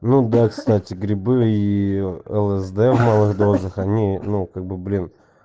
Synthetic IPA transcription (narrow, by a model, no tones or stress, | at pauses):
nud̪akst̪atʲɪɡɾʲɪbɨi | ɛlˠɛsd̪ɛvmalˠɨɣd̪ɾozɨxanʲinukaɡ̚bɨblʲin